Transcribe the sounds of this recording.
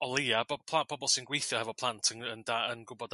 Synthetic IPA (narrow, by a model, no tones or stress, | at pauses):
ɔlˠiabɔpʰlˠab̥ʰɔbɔlˠsɪnɡwejθjɔhɛvɔpʰlˠantʰənəndaənɡʊbɔd